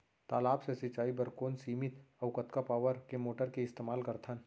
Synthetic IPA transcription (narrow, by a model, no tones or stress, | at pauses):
t̪aːlaːbsesɪt͡ʃːaːibɐɾkoːnsiːmɪt̪ɐʋkət̪kapaːʋəɾkemoːʈəɾkeɪst̪eːmaːlkɐɾt̪ʰən